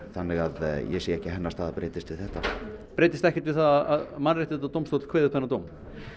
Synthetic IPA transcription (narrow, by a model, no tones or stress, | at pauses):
θanːɛɣaðjɛsiːɛhcɪɦɛnːast̪haðapɾeːjt̪ɪst̪vɪðθɛht̪apɾeːjt̪ɪst̪ɛhcɪt̪vɪðθaðaða̰ðmanrejht̪ɪ̥θɛt̪at̪owmst̪owt̪l̥kʰveːðʏhpɛnːat̪owm